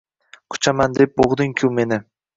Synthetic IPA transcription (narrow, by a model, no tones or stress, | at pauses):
kʰʊ̥t͡ʃʰamand̪ep̚boʁd̪ɪŋkʲʰʊme̞nɪ